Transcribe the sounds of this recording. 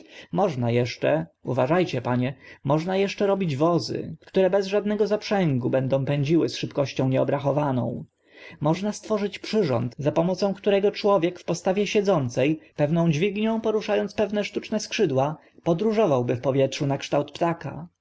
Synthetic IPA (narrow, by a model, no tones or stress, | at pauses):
mɔʐnajɛʂt͡ʂɛ̰uvaʐajt͡ɕɛpaɲɛmɔʐnajɛʂt͡ʂɛɾɔbʲid͡ʑvɔzɘ̰ktt̪uɾɛbɛzʐad̪nɛɡɔzapʂɛŋɡubɛnd̪ɔ̃w̃pɛɲd͡ʑiwɘsʂɘpkɔɕt͡ɕɔ̃w̃ɲɛɔbɾaxɔvanɔ̰̃w̃ | mɔʐnast̪fɔʐɘt͡ɕpʂɘʐɔ̰nt̪zapɔmɔt̪sɔ̃w̃kt̪uɾɛɡɔt͡ʂwɔvʲjɛkfpɔst̪avʲjɛɕɛd̪zɔnt̪sɛjpɛvnɔ̃w̃d͡ʑvʲiɡɲɔ̃w̃pɔɾuʂajɔnt̪spɛvnɛʂt̪ut͡ʂnɛskʂɘd̪wa | pɔd̪ɾuʐɔvawbɘfpɔvʲjɛtʂunakʂt̪awt̪pt̪aka̰